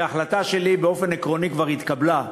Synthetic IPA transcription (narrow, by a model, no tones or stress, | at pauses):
aχlat̪aʃelibeofe̞nekʁo̞nikvaʁit̪kabla